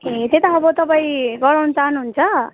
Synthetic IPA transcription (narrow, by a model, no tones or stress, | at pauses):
ɦet̪et̪ʌːbʌt̪ʌpaĩɡʌɾawnʌt͡sanuɦunt͡sʰʌ